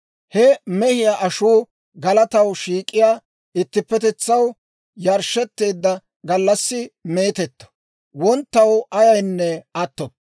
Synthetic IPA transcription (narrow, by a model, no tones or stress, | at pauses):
hɛmɛhɪjaːʔɐʃuː | ɡɐlɐt̪ɐwʃiːkʼːɪjaː | ɪt̪ːɪpːɛt̪ɛt͡sːɐw | jɐɾʃːɛt̪ːe̞ːd̪ːɐ | ɡɐlːɐsːɪme̞ːt̪ɛt̪ːɔ̥ | wɔnt̪ːɐwɐjɐjnːɛɐt̪ːɔb̚